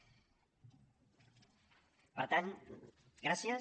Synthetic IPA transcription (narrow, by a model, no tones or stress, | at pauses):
pəɾt̪an | ɡɾasja